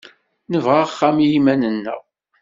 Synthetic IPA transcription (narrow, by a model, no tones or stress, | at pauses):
nəvʁaχːamjimænənːə̰ʁ